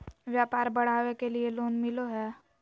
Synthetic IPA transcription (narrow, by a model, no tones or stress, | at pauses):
ʋjaːpaːɾbɐɽ̤aːʋekelieloːnmɪloɦɛː